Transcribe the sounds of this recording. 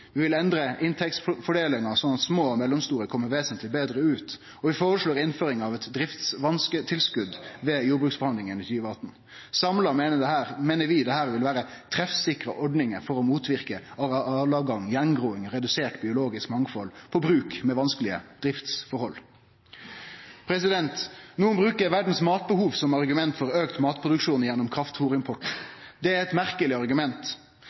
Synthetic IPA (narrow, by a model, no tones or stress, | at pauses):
ʋɪʋɪlɛnd̪ɾəʔɪnt̪ʰɛktsfɔɖeːlɪŋɑsɔnɑt̪smoːmɛlːɔmst̪uːɾəkʰɔmːəɾʋeːsənt̪ʰlɪbeːd̪ɾəʉːt̪ | ɔʋɪfoːɾəʂloːɾɪnføːɾɪŋɑʋɛt̪d̪ɾɪft̪sʋɑnskət̪ʰɪlskʉd̪ʋɛjuːɾbɾʉːksbəhɑnd̪ɪŋənɪt̪ʰyːʋəɑt̪ːn̩ | sɑmlɑmeːnəd̪ɛhæːɾmeːnəʋɪd̪ɛhæːɾʋɪlʋæːɾət̪ʰɾɛfsɪkɾəʔɔɖnɪŋəfɔɾɔmuːt̪ʰʋɪɾkəɑɑlɑɡɑŋjɛnɡʁuːɪŋʁɛd̪ʉseːʈbɪʊloːɡɪskmɑŋfɔlpʰɔbɾʉːkmɛʋɑnskəlɪə̰d̪̥ɾɪft̪sfɔɾhɔlː | pʰɾɛsɪd̪ɛnt̪nuːənbʁʉːkəɾʋæɖn̩smɑːt̪̚bəhuːʋsɔmɑʁɡʉmɛnt̪fɔɾøːkt̪mɑːt̪pʰɾʁʊd̪ʉkʂuːnjɛnːʊmkʰɾɑft̪fuːɾɪmpʰɔʈd̪ɛæɾɛt̪mæɾkəlɪɑʁɡʉmɛnt̪